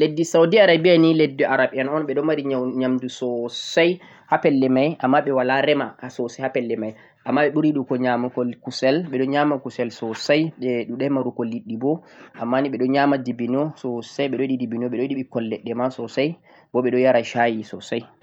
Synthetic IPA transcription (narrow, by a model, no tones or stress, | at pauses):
ledːisawdiaɾabijaniledːiʔaɾaɓianɔnɓɛɗɔmaɾiɲamdusɔsaj | hapɛlːɛmajʔamːaɓɛwalaɾɛmahasɔsahapɛlːɛmaj | ʔamːaɓɛɓuɾiɗukɔɲamukɔkusɛlɓɛɗɔɲamakusɛlsɔsajɓɛɗuɗɛmaɾukɔlːiɗːibɔʔamːaniɓɛɗɔɲamadibinɔsɔsajɓɛɗɔɗidibinɔɓɛɗɔɗiɓikɔlːɛɗːɛmasɔsaj | bɔɓɛɗɔjaɾaʃajisɔ̰saj